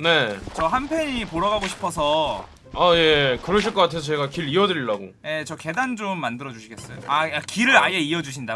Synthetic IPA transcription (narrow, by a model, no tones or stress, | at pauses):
ne̞t͡ɕʌɦanpʰeɲipoɾʌɡaɡoɕʰi̥pʰʌs̬ʰʌ | aje̞kɯɾʌɕ̬ʰiɭk͈ʌk͈atʰe̞s̬ʰʌeɡakiɾiʌdɯɾiɭːaɡoje̞t͡ɕʌke̞dand͡ʑomːandɯɾʌd͡ʑuɕʰiɡe̞s͈ʌjoaakiɾɯɾajeiʌd͡ʑuɕ̬ʰinda